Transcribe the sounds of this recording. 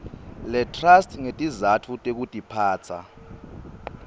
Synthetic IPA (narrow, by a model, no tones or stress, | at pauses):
lɛtʰʼrastʰʼŋetʼizatʰutʼek̬utʼipʰaːt͡sʰa̰